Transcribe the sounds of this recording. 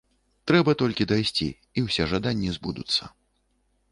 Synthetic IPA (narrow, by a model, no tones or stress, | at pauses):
t̪ɾɛbɐt̪ɔlʲkʲid̪ajsʲt͡sʲḭː | wsʲɛʐad̪anʲːizbud̪ut̪sːɐ̰